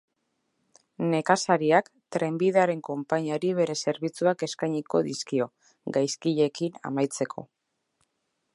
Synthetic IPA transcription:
ne̞kasaɾiakt̪ɾe̞mbiðaɾe̞ŋko̞mpaɲaɾiβ̞e̞ɾe̞se̞ɾβ̞it͡suake̞skajɲiko̞ðiskio̞ | ɡajskiʎe̞kina̰majt͡se̞kʰo̞̰

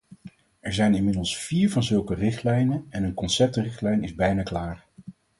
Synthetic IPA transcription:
ɛɹzɛjnɪnmɪdəlˠsfiːɹvɑnzɵlˠkərɪχtlɛjnənɛnənkɔnsɛp̚trɪχtlɛjnɪzbɛjnaːklaːr

